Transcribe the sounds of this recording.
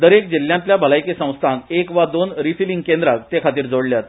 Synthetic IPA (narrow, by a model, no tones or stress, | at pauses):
d̪əɾekd͡ʑilːjãnt̪ljabʱəlajkesə̃w̃st̪ʰãk̪ekʋad̪onɾifiliŋɡkend̪ɾak̚t̪ekʰat̪iːɾd͡zoɽljat̪